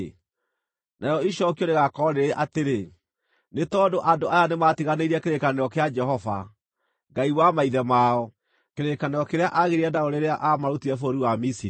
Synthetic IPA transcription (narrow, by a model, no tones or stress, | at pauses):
naɾɔiʃɔkioɾeɣakɔɾeɾeʔateɾe | netɔːdoʔadoajanematiɣaneiɾiɛkeɾekaneɾɔkead͡ʒɛɦɔva̰ | ŋɡaiwamaiðɛmaɔ | keɾekaneɾɔkeɾeaʔaɣeɾiɛdaoɾeɾeaʔamaɾotiɾɛfoɾiwamisiɾ